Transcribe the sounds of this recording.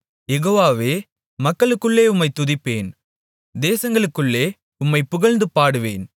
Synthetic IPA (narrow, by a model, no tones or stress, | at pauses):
jɛɣoːʋaːʋeː | mɐkːɐɭɯkːɯɭːeːʊmːɐɪt̪ːʊðɪpːeːn | d̪eːsɐŋɡɐɭɯkːɯɭːeː | ʊmːɐɪpʊɣɐɻnd̪ɯpaːɽɯʋḛːn